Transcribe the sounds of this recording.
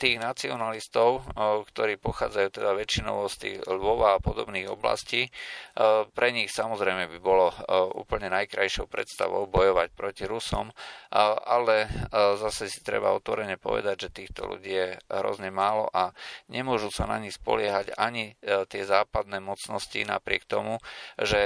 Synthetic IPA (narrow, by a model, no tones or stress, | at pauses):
t̪iːɣnat͡siɔnalist̪ɔʊkt̪ɔɾiːpɔxaːd͡zajuːt̪ɛd̪aʋɛt͡ʃinɔ̰ʋɔst̪ḭːɣlʋɔʋaapɔd̪ɔbniːɣɔbla̰sciː | pɾɛɲixsamɔzɾɛjmɛbibɔlɔṵːpəl̩ɲɛnajkɾajʃɔʊpɾɛ̰t̪st̪a̰ʋɔ̰ʊbɔjɔʋac̚pɾɔciɾusɔ̰m | ʔalɛzasɛsi̥t̪ɾɛ̰ba̰ɔt̪ʋɔɾɛɲɛpɔ̰ʋɛ̰d̪aɟʒɛt̪iːxt̪ɔ̰lṵɟiːjɛɦɾɔ̰zɲɛmaːlɔ̰ʔaɲɛmʊɔʒusanaɲixspɔ̰lɪɛɦaɟaɲit̪ɪɛzaːpad̪nɛːmɔtt͡snɔscḭna̰pɾɪɛk̚t̪ɔmuʒɛ